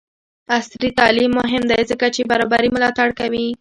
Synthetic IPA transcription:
asɾit̪ɑlimːʊɦɪmd̪ajzəkat͡ʃebaɾɑbaɾimʊlɑt̪aɽkawi

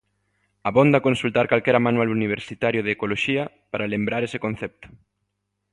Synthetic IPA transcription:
aβond̪akonsult̪aɾkalkɛɾamanwaluniβ̞eɾsit̪aɾjoðeːkoloʃiɐ | paɾalembɾaɾese̥kon̟θɛp̚t̪o̥

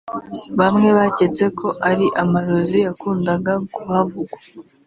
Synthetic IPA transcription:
βamŋe̞βace̞t͡se̞kʰo̞ʔaɾiʔamaɾozijakuːndaɡakuhavuɡwa

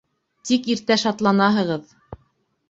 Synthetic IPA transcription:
t̪ikiɾt̪æʃɑt̪lˠɑnɑɦɤ̆ʁɤð

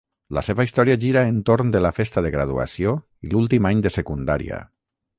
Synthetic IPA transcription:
laseβaist̪ɔɾiaʒiɾaent̪oɾnd̪elafest̪aðeɣɾað̞ua̰sio | ilulˠt̪imaɲd̪əsekund̪aɾḭa̰

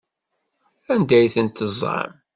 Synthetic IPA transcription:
ænd̪æjθənt̪ːəzˤɑ̰m

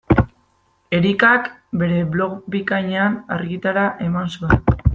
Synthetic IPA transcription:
e̞ɾikak | be̞ɾe̞βlo̞ɣbikaɲeanaɾɣit̪aɾaʔe̞mansuen

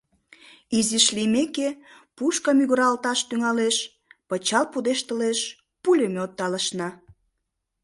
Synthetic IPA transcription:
iziʃlimeke | puʃkɑmyɣəɾɑlt̪ɑʃt̪yŋɑleʃ | pət͡ɕɑlpud̪eʃt̪əleʃ | pulʲemot̪ːɑləʃnɑ

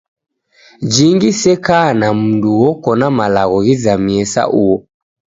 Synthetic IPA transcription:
d͡ʒiŋɡisɛkanam̩nduwɔkɔnamalaɣɔɣizamiɛsa̰ʔuɔ

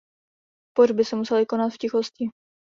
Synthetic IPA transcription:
porbɪsɛmusɛlɪko̞nat̪fcɪxoscɪ

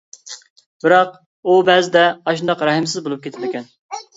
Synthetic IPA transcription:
bɪɾɑq̚ | ubɛzɪd̪ɛɑʃ̬nd̪ɑqɾɑɦɨmsɪzbolˠup̚kʲet̪ʰɪmɪkʲɛn

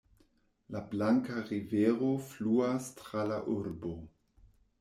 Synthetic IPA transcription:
lablaŋkaʁiveɾofluastɾalaʔuɾbo

